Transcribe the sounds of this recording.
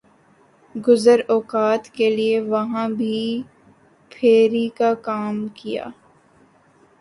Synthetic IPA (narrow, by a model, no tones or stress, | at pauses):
ɡʊzəɾɔːkaːt̪kelieʋɐɦãbʱi | pʰeːɾikakaːmkija̰ː